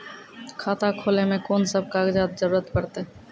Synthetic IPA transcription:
kʰaːt̪akʰoːlemẽkoːnsəb̚ʱkaɡd͡ʒaːt̪d͡ʒəɾuːɾət̪pəɾt̪e

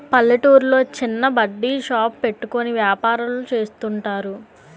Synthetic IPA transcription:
pɐlːɐʈuːɾlo̞ːt͡ʃinːɐbɐɖːiʃaːpːe̞ʈːuko̞niʋjaːpaːɾɐlut͡ʃe̞ːst̪uɳʈaːɾu

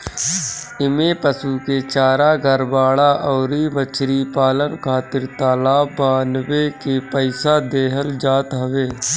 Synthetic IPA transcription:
ɪmepəsuːket͡ʃaːɾaɡʱəɾbaːɭaʔɔːɾimət͡ʃɾipaːlənkʰaːt̪ɪɾt̪aːlaːbaːnwekepəɪsad̪eːɦəld͡ʒaːt̪ɦɐʋeː

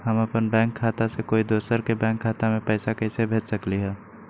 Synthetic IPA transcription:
ɦəməpənbɛ̃ːŋkʰːaːt̪asekoːid̪oːsəɾkebɛ̃ːŋkʰːaːt̪amẽpɛɪsakəɪsebʱeːt͡ʃsəkliɦɛː

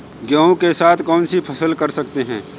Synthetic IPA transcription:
ɡjaːõkesaːt̪ʰkɔːnsipʰɐsəlkɐɾsɐk̚t̪eɦɛ̃ː

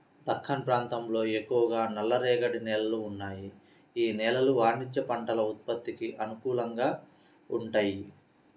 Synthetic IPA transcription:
d̪ɐkʰːɐnɐpɾaːnt̪ɐmlo̞ːe̞kːuʋɐɡaːnɐlːɐɾɛːɡɐɽinɛːlɐluːnːaːji | iːnɛːlɐluʋaːnit͡ʃːɐpɐɳʈɐlɐut̪̚pɐt̪ːikiʔɐnukuːlɐŋɡaː | uɳʈaːji

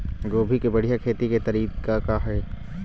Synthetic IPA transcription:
ɡoːbʱikebɐɽ̤ijakʰeːt̪iket̪ɐɾiːkakaɦɛː

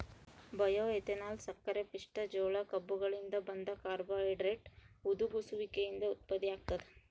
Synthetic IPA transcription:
bɐjoːet̪enaːlsɐkːɐɾepiʂʈɐd͡ʒoːɭɐkɐbːuɡɐɭind̪ɐbɐnd̪ɐkaːɾboːeɖɾeʈud̪uɡusuʋikejind̪ɐut̪̚pɐd̪ijaːɡ̚t̪ɐd̪e

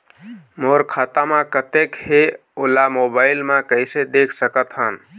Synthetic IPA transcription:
moɾkʰat̪amãkət̪ekhe | olamobaɪlmãkəɪsed̪ekʰsəkət̪ɦən

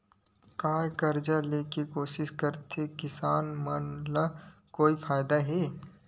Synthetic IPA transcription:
kaːkɐɾd͡ʒaleːkekoːʃɪʃkɐɾt̪ekɪsaːnmɐnlakoːifaːjd̪aɦɛː

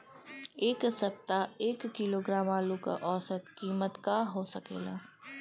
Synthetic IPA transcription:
eːksɐp̚t̪aeːkːiloːɡɾaːmaːluka̰ʔɔːsət̪kiːmət̪kaɦoːsɐkḛːla̰ː

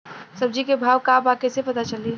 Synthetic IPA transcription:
səb̚d͡ʒikebʱaʋkabakesepət̪at͡ʃəli

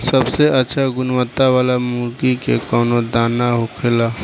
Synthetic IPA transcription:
səbseətːʃʰaɡʊnwət̪ːaʋaːlamuɾkikḛkɔːnod̪aːnːaɦokʰela

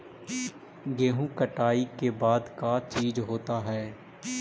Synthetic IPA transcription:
ɡeːɦũkəʈaːikebaːd̪kat͡ʃiːd͡ʒɦoːt̪aɦɛː

